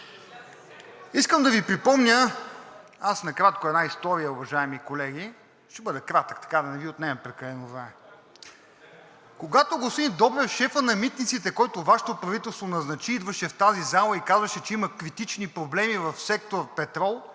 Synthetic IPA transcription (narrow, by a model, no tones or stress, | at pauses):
iskəmd̪ɐvipɾipɔmnʲə | asnɐkɾat̪̚koɛd̪naist̪ɔɾijəʊvɐʒaɛmikolɛɡʲi | ʃt̪ɛbɤd̪ɛkɾat̪əkt̪ɐ̥kad̪ɐnɛviot̪nɛɛpɾɛkɐlɛnoznaɛ | koɡat̪oɡosid̪ɔbɾɛfʃɛfənɐmit̪nit̪sit̪ɛkɔjt̪ovaʃɛ̥t̪opɾɐvit̪ɛlˠst̪vonɐznɐt͡ʃiid̪vɐʃɛft̪azizalˠəikazvɐʃɛt͡ʃɛimɐkɾit̪it͡ʃnipɾoblɛmivɐfsɛk̚t̪oɾpɛt̪ɾɔlˠ